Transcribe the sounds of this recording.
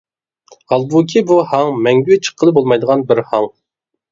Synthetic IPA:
ɑlˠbukʲʰibuhɑŋmɛŋɡʲywɪt͡ʃʰə̥qʰːəlˠɨbolˠmɑjd̪əʁɑnbɪɾhɑŋ

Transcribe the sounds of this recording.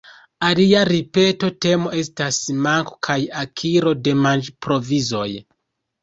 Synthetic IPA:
aliaɾipe̞to̞te̞mo̞e̞stasmaŋkokʰajakʰiɾo̞de̞mand͡ʒpɾo̞vizo̞̰j

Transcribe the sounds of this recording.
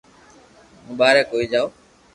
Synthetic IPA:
mũːɓaːɾekːoːiːd͡ʒaːoː

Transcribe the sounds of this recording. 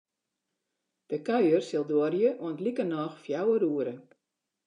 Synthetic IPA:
d̥əkœɥərsɪlˠdoərjəʔuəntlikənɑːxfjawəɾuəɾə

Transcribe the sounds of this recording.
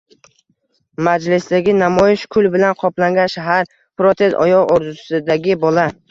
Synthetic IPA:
mad͡ʒlɪsd̪aɡʲɪnamɒjɪʃkʰʊlˠbɪlanqʰɒplaŋɡʲanʃaɦaɾ | pɾot̪ʰe̞sɒ̰jɒoɾd̪ʊsɪd̪aɡʲɪbɒla

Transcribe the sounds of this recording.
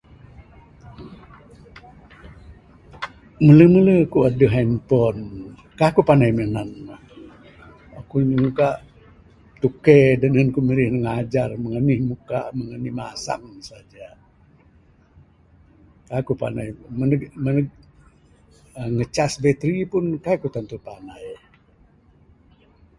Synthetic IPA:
mələmələkuadəɦampɔn | kakupanajmənanah | akumukaʔ | t̪ukedənənkumiɾihnəŋad͡ʒarməŋənihmuka̰ʔməŋənihmasa̰ŋsad͡ʒa | kakupa̰na̰jmənəmənəɡ̚ | əŋət͡ʃasbet̪ɾipunkakut̪ant̪upanaj

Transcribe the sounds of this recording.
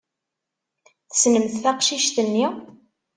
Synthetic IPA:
θə̥snəmθθɑqʃiʃt̪ənːi

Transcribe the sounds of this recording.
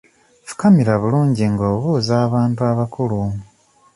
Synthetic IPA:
fu̥kamiɾaβuluːɲɟiŋɡoːβuːzaːβaːntuaβakulu

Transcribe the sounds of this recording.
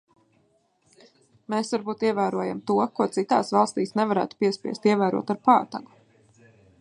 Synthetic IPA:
meːsvaɾbuːt̪iɛvæːɾuɔjamt̪uɔkuɔt̪sit̪aːsvɑlˠst̪iːsnɛvaɾæ̰ːt̪u̥piɛspʲḭɛst̪iɛvæːɾṵɔt̪aɾpaːt̪a̰ɡu̥

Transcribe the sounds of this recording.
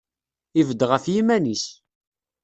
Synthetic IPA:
ivəd̪ʁəfjimænis

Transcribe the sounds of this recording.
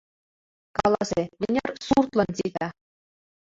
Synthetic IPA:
kɑlˠɑzemɘ̆nʲɑrsurt̪lˠɤ̆nt̪ʲid̪ɑ

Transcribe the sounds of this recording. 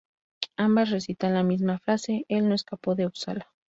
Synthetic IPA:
ambasres̬it̪anlamizmafɾase̞ʔelno̞eskapo̞ðeusala

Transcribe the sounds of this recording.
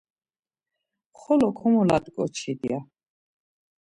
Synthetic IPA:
χɔlɔkʰɔmɔlad̪ʼkʼɔt͡ʃʰid̪ia

